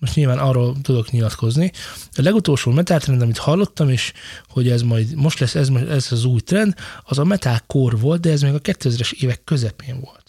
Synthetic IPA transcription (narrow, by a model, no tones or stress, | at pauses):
moʃtɲiːlvaːnɒːrːolt̪ud̪o̞kɲilɒt̪ko̞zniɒlɛɡut̪olʃoːmɛt̪alt̪rɛnd̪ɒmit̪hɒlːo̞t̪ːɒmeːʃho̞ɟɛzmɒjd̪mo̞ʃt̪lɛsːɛzmɛzɒzuːjt̪rɛnd̪ɒzɒmɛt̪alkorʋo̞lt̪̚d̪ɛɛzmeːɡɒkɛt̪ːøːɛzɾɛʃeːvɛkːøzɛpeːɱvo̞lt̪